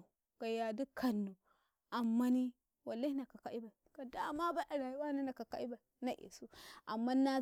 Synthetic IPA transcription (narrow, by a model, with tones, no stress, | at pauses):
ɡ̥a˨ja˨di˦kʰa˨nːu˨ | a˨mːa˦ni˦ | wa˨la˦hi˦na˨ka˨ka˨ʔi˦ba˨ka˨da˦˨ma˦ba˦ʔa˨ɾa˨jwa˦na˦na˨ka˨ka̰˨˦i˦ba˨˦na˦ʔḛ˨su˦a˨mːa˦na˦